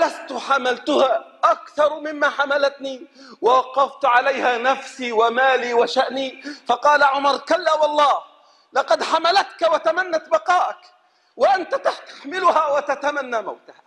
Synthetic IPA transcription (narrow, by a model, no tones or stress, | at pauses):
last̪ħamalt̪ʊhaːʔakθɑɾˤmɪmːaːħamalat̪ni | wawɑqɑft̪ʕalajhaːnafsiwamaːliːwaʃaʔnifɑqɑːlaʕʊmɑɾˤkalːaːwɑlˤːɑːh | lɑqɑd̪ħamalat̪kawat̪amanːat̪bɑqɑːʔak | waʔant̪at̪aħt̪ḁħmɪlʊhawat̪at̪amanːaːma̰wt̪ḁha